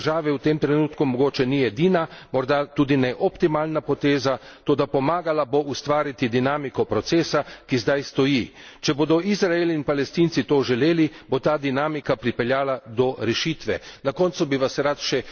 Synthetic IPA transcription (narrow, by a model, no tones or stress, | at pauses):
ʒaːʋɛwt̪emt̪ɾɛnuːt̪kumɔɡoːt͡ʃɛnijɛd̪iːnamɔɾd̪at̪uːd̪inɛʔɔpt̪imaːlnapɔt̪eːza | t̪oːd̪apɔmaːɡalaboʔust̪ʋaːɾit̪id̪inaːmikɔpɾɔt̪seːsakizd̪ajst̪ɔji | t͡ʃɛboːd̪ɔʔizɾaeliːnpalɛst̪iːnt̪sit̪oːʒɛleːlibot̪aːd̪inaːmikapɾipɛljaːlad̪ɔɾɛʃiːt̪ʋɛnakɔnt̪subiʋasɾat̪ʃɛ